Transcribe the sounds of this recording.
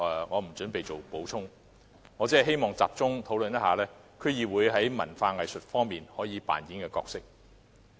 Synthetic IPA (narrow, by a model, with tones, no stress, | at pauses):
ŋɔː˨˧m̩˨˩t͡sɵ˨˥npe˨jt͡so˨wpo˨˥wt͡sʰʊ˥ŋ | ŋɔː˨˧t͡siː˨˥ɐ˨˩ɦe˥jmɔː˨˩ŋt͡sa̰ː˨p̚t͡sʊ˥ŋt̪ʰo˨˥wlɵ˨njɐ˥haː˨˧lɛː˥ | kʰɵ˨˧˥jiː˨wuː˨˧jɦɐ˨˥jmɐ̰˨˩nfaː˧ŋɐ˨˩jsɵ˨t̚fɔː˥ŋmiː˨nhɔː˨˥jiː˨˧pa̰ː˨nji˨˥nkɛː˧kɔ̰ː˧k̚sɪ˥k̚